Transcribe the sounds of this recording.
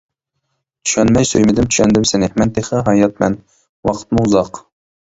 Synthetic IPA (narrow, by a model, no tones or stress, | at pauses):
t̪ʰy̥ʃɛnmɛjsøjmɪd̪ɪmt̪ʰy̥ʃɛnd̪ɪmsɪnɪmɛnt̪ʰeχɛɦɑjɑt̪̚mɛ̰n | wɑqʰə̥t̪mʊuzɑq